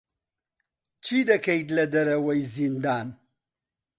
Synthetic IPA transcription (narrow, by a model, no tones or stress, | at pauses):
t͡ʃʰid̪ɐkʰɐjd̪lɐd̪ɐɾɐwɐjzind̪aːn